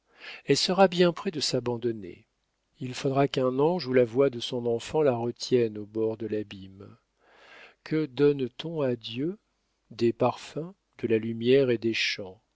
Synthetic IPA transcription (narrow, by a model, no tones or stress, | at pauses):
ɛlsəʁabjɛ̃pχɛd̪əsabɑ̃d̪ɔnḛ | ilfod̪ʁakɛ̃nɑ̃ʒulavwad̪əsɔ̃nɑ̃fɑ̃laʁət̪jɛnobɔʁd̪əlabim | kʰəd̪ɔnt̪ɔ̃ad̪jø | d̪epaʁfɛ̃ | d̪̥əlalymjɛʁed̪eʃɑ̃